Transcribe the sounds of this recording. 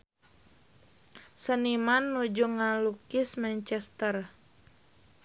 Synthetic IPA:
sənimanːud͡ʒuŋalukismant͡ʃɛst̪ər

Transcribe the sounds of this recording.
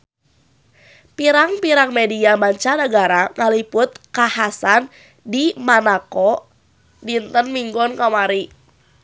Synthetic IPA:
piɾaŋpiɾaŋmediamaɲt͡ʃanaɡaɾaŋalipʊt̪̚kahasan | dimanakɔ | dint̪ənmiŋɡɔnkamaɾi

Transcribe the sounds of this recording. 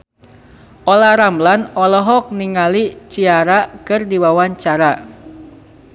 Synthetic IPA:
ʔɔlaɾamblanɔlɔɦɔk̚niŋalit͡ʃiaɾakɨrdiwawaɲt͡ʃaɾa

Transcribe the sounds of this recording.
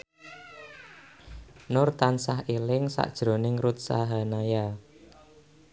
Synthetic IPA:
nʊrt̪ansahelɪŋsa̰ʔd̥ʒ̥ɾo̤nɪŋɾut̪̚sa̰ɦanaja

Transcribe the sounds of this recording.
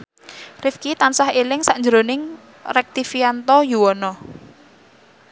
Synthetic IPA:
rɪfkit̪ansahelɪŋsaʔɲd͡ʒɾonɪŋ | rɛk̚t̪ifiant̪ɔjuwɔnɔ

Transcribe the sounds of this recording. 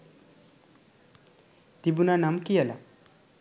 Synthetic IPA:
t̪ibunanamkijala

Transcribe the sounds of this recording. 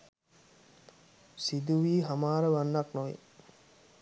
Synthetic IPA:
sid̪uʋiːɦamaːɾəʋanːaknoj̰

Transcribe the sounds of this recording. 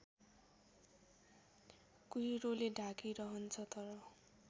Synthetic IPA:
kuiɾoleɖʱakiɾʌɦʌnt͡sʰʌt̪ʌɾʌ

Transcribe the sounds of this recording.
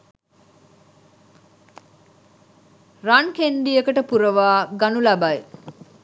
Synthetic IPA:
rankend̪ijəkəʈəpuɾəʋaːɡanulabaj

